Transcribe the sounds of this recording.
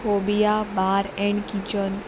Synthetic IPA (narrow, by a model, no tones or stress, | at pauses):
fobijabaːɾɛ̃ɳɖkit͡ʃən